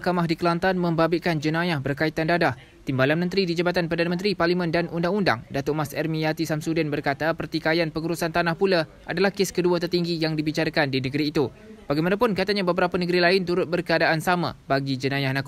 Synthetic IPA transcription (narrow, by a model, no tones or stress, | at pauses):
kamahdikəlant̪anmə̃mbabɪkand͡ʒənãjahbərkait̪andadah | t̪imbalanmə̃nt̪ɾidid͡ʒabat̪anpərdanãmə̃nt̪ɾiparlimə̃ndanʔundaŋunda̰ŋdat̪ʊʔmasɛrmijat̪isamsudɪnbərkat̪apərt̪ikajanpəŋuɾusant̪anahpula | ʔa̰dalahkeskəduat̪̬ərt̪iŋɡijaŋdibit͡ʃaɾakandinəɡəɾiːt̪u | b̥aɡajmanapʊnkat̪aɲãbəbəɾapanəɡəɾilaɪnt̪uɾʊt̪̚bərkəadaʔansamã̰baɡid͡ʒənajahnãk